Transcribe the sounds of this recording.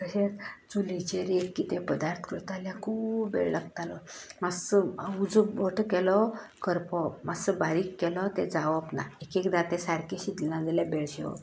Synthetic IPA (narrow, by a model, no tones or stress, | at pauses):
kəɕeɾt͡sulit͡ɕeɾekːiːt̪epəd̪aɾt̪ʰkət̪aljãkʰuːbbḛɭləɡt̪alɔmasəud͡zuoʈʰəkɛlɔkəɾpɔmasəbaɾiːkːɛlɔt̪ed͡zaʋɔpna̰ekekd̪at̪ẽsaɾkeɕid̪ilãd͡zaljabeɭɕeɔ̰